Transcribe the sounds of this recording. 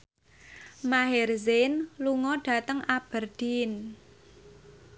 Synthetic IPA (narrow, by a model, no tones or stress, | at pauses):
maɦɪrzɪnluŋɔɖ̥a̤t̪əŋab̥ə̤rd̪̥in